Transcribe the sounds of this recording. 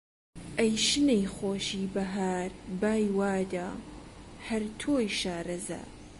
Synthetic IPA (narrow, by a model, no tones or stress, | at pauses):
ʔɐjʃɨnejxoːʃiːbɐɦaːɾbaːjwaːd̪aː | hɐɾt̪ʰoːjʃaːɾɐza̰ː